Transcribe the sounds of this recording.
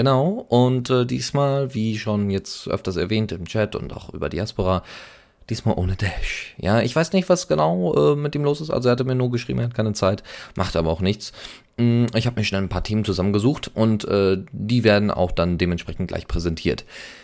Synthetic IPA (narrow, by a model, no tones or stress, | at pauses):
ɡ̥ənaʊʔʊntʔɛːdḭːsmaːlviːʃonjɛt͡stʔœ̰ftɐsɛɐvɛːntɪmt͡ʃɛtʊ̰nta̰ʊxʔy̰ːbɐ̰dḭaspoʁaː | d̥iːsmaːlʔo̰ːnədɛʃja̰ːɪçv̥aɪsnɪçtv̥asɡ̥ənaʊʔɛːmɪt̚ʔiːmloːsɪstʔa̰lzoɛɐhatəmiːɐnuːɐɡəʃ̬ʁ̥ḭbmʔɐhat̚kʰaɪnət͡saɪtmʔaχtʔaːbɐaʊxnɪçt͡s̩ | ɪçhaːbəmiːɐʃnɛlanpʰaːɐtʰeːmənt͡suzamənɡəzuːxtʔʊntʔɛːd̥iːveːɐdn̩ʔa̰ʊxd̥andeːmɛntʃpʁɛçn̩t̚ɡ̥la̰ɪçpʁ̥ɛzɛntʰiːɐt